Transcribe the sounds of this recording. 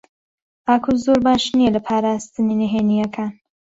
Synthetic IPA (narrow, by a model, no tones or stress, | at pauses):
ʔaːkʰozoɾbaːʃnijelɐpʰaːɾaːst̪ɨninɪɦeːnijɐkʰaːn